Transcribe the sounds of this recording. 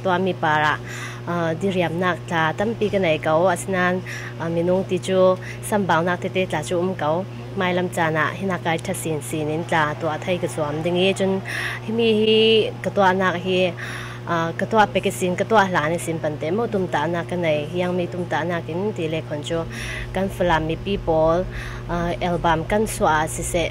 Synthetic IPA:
t̪u˧a˧ʔmi˧˨paː˨˩ɾa˨ʔ | di˧˨ɾi˨a˨mna˧k̚t͡ɬaː˨t̪ɐ˦˨mpi˧kənɐ˨jkɐ˧wa˨si˦naː˧n˨ | mi˨nʊ˧ŋt̪i˨t͡su˦ | sɐ˧mba˨wna˧k̚t̪ʰɛ˧t̪ɛ˧t͡ɬaː˨t͡su˦ʔʊ˧˦mkɐ˨˧w | maː˧jlɐ˧mt͡saː˧˩na̰˨ʔhi˧na˧kːa˧jtʰɐ˥si˨nsi˨ni˨nt͡ɬa˨˩t̪u˧a˧ʔt̪ʰɐ˧jkəzu˨a˨mdi˧ŋi˧t͡sʊ˥nhi˧mi˧hi˦kə˧t̪u˧a˧˨ʔnaː˧k̚ɦiː˦ | kɐt̪u˧a˧˨ʔpɛ˨ki˦si˨nkə˧t̪u˧a˧˩ʔlaː˨ni˧˨si˨npɐ˨nt̪ɛ˧˨mɔ˧˨t̪ʊ˨mt̪a˧ʔnaː˧kːɐ˧nɐ˨jɦi˧ja˧ŋmi˧t̪u˧˨mt̪a˧ʔnaː˧ki˨nt̪i˨lɛ˧kʰɔ˨nt͡su˦ | kɐ˧˨nfə˨la˨mːi˨pi˦˨pɔ˨l | ʔɛ˧lba˨mkɐ˥nsu˧a˨ʔa˨si˧sɛ˧ʔ

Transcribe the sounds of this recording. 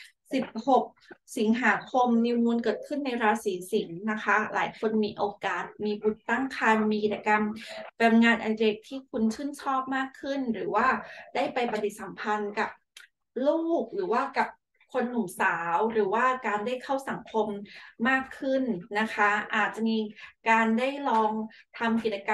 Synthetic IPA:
si˨˩p̚ho˨˩k̚si˩˦ŋɦaː˩˦kʰo˧mni˧wnu˧ənkɤː˨˩t̪̚kʰɯ˥˩nːa˧jɾaː˧siː˩˦si˩˦ŋna˦˥kʰa˦˥lʔa̰ː˩˦jkʰo˧nmiː˧ʔoː˧kaː˨˩t̪̚miː˧bu˨˩nt̪a˥˩ŋkʰaː˧nmiː˧ki˨˩t͡ɕːa˧ka˧mpe˧nŋaː˧nʔa˧de˨˩k̚t̪ʰiː˥˩kʰu˧nt͡ɕʰɯː˥˩nt͡ɕʰɔː˥˩p̚maː˥˩kʰːɯ˥˩nɾɯː˩˦waː˥˩daː˥˩jpa˧jpa˧t̪i˨˩t̪̚sa˩˦mpʰa˧nka˨˩p̚ | luː˥˩k̚ɾɯː˩˦waː˥˩ka˨˩p̚ | kʰo˧nːu˨˩˦msaː˩˦wɾɯː˩˦waː˥˩kaː˧ndaː˥˩jkʰa˥˩wsa˩˦ŋkʰo˧mːaː˥˩kʰːɯ˥˩nna˦˥kʰa˦˥ʔaː˨˩t̪̚t͡ɕa˨˩miː˧kaː˧ndaː˥˩jlɔː˧ŋt̪ʰa˧mki˨˩t͡ɕa˧ka˧

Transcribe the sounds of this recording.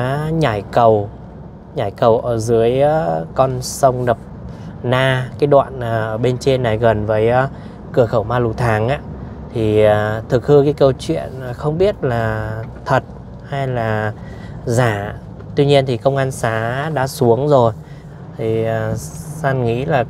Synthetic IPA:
a˨˦ɲaː˧˩jkə˨˩w | ɲaː˧˩jkə˨˩wʔəː˧˩zɨ˨˦əjkɔ˧nsə˧wŋ͡mnə˨˩p̚naː˧kaː˨˦jɗwa̰ː˧˨nʔaː˨˩ʔəː˧˩ɓe˧nt͡ɕe˧nːa˨˩jɣə˨˩nvəː˨˦j | kɨ˧˩əxə˧˩wmaː˧lu˨˩t̪ʰaː˨˦ŋʔa̰ː˧˥ | t̪ʰi˨˩˨t̪ʰɨ˨˩k̚hɨ˧kaː˨˦jkə˧wt͡ɕwḭ˧˨ənː˨˩xə˧wŋ͡mɓi˦˥ət̚laː˨˩t̪ʰə˨˩t̚ | ha˧jlaː˨˩ | zaː˧˩ | t̪wi˧ɲi˧ənt̪ʰi˨˩kə˧wŋ͡mʔaː˧nsaː˨˦ɗa̰ː˧˥su˨˦əŋzo˨˩j | t̪ʰi˨˩ə˨˩saː˧nŋḭ˧˥laː˨˩

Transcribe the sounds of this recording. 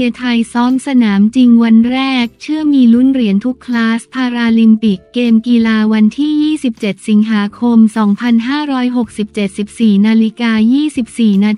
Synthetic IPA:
i˧t̪ʰa˧jsɔː˦˥msa˧naː˩˦mt͡ɕi˧ŋwa˧nɾɛː˥˩k̚t͡ɕʰɯ˥˩əmiː˧lu˦˥nɾi˨˩˦ənt̪ʰu˦˥kʰːlaː˦˥spʰaː˧ɾaː˧li˧mpi˨˩kːeː˧mkiː˧laː˧wa˧nt̪ʰiː˥˩jiː˥˩si˨˩p̚t͡ɕe˨˩t̪̚si˩˦ŋɦaː˩˦kʰo˧msɔː˩˦ŋpʰa˧nɦaː˥˩ɾɔː˦˥jɦo˨˩k̚si˨˩p̚t͡ɕe˨˩t̪̚si˨˩p̚siː˨˩naː˧li˦˥kaː˧jiː˥˩si˨˩p̚siː˨˩naː˧

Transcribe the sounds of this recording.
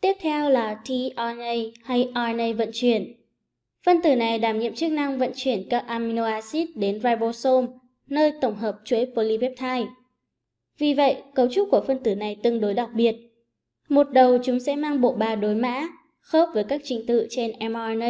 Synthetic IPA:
t̪i˦˥əp̚t̪ʰɛ˧wlaː˨˩t̪ʰi˧ʔa˧nə˧jha˧jʔɔ˧nə˧jvə̰˧˨nt͡ɕwi˧˩ən | fə˧nt̪ɨ˧˩na˨˩jɗaː˧˩mɲḭ˧˨əmt͡ɕɨ˦˥ək̚na˧ŋvə̰˧˨nt͡ɕwi˧˩ənkaː˦˥p̚ʔaː˧mi˧no˧aː˧si˦˥t̚ɗe˨˦nvaː˧jɓo˧so˧m | nəː˧jt̪ə˧˩wŋ͡mɦəː˨˩p̚t͡ɕwi˨˦jpo˧li˧vɛ˦˥p̚t̪ʰaː˧j | vi˨˩və̰˧˨jkə˨˦wt͡ɕʊ˦˥k͡p̚ku˧˩əfə˧nt̪ɨ˧˩na˨˩jt̪ɨ˨˧əŋɗo˨˦jɗa˨˩wk͡p̚ɓi˨˩ət̚ | mo˨˩t̚ɗə˨˩wt͡ɕʊ˨˦ŋ͡msɛ̰˧˥maː˧ŋɓo̰˧˨ɓaː˨˩ɗo˨˦jma̰ː˧˥ | xo˦˥p̚vəː˨˦jkaː˦˥k̚t͡ɕï˨˦ŋ̟t̪ɨ̰˧˨t͡ɕe˧nʔɛ˧mʔɔ˧nə˧

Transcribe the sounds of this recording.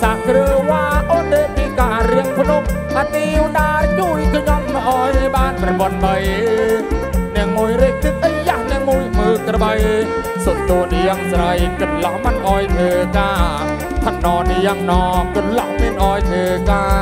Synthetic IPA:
saː˧kɾə˧waː˧ʔɔː˧t̪eː˧iː˧kaː˧ɾi˧əŋpʰnup̚ | ʔa˧niː˧wnaː˧ɲu˧əjkʰə˧ɲɑ˧mnɔ˧ʔa˧jɓaː˧nprɑɓo˩t̪̚ɓə˧j | nɛ˧əŋmu˧əjɾɛː˧k̚t̪ʰɨ˧t̪̚ʔə˧jja˧hnɛ˧əŋmu˧əjmɨː˧kɾə˧ɓə˧j | so˧˩mt̪uː˧əni˧əŋsɾə˧jkɨ˩nlɑ˧hmə˧nʔaː˧jt̪ʰəː˧kaː˧ | t̪ʰa˧˩nːɔː˧ni˧əŋnɔː˧kɑ˧nlɑ˧hmi˧ənʔaː˧jt̪ʰəː˧kaː˧

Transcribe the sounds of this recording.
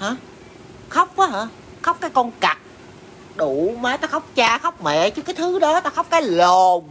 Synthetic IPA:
haː˨˦ | xə˦˥wk͡p̚ʔaː˨˦haː˨˧˦ | xə˦˥k͡p̚kaː˨˦jkɔ˧nka˨˩k̚ | ɗu˧˩˨maː˨˦j̪t̪ɔː˨˦xə˦˥wk͡p̚t͡ɕaː˧xə˦˥wk͡p̚mḛ˧˨t͡ɕɨ˦kaː˨˦jt̪ʰɨ˨˦ɗɔ˨˦t̪aː˨˦xə˦˥wk͡p̚kaː˨˦jlɔ˨˩

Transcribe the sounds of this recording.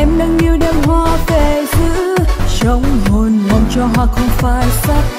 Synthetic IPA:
ʔɛ˧mɗɨ˧ŋʔi˧əwɗe˧˩mɦwaː˧ve˨˩t̪ʰɨ˧˥ | t͡ɕə˨˦wŋ͡mɦo˧˩nŋɔ˨˩ŋ͡mt͡ɕɔ˧ɦa̰ː˧˨xə˧wŋ͡mfaː˧˩jsa˦˥k̚

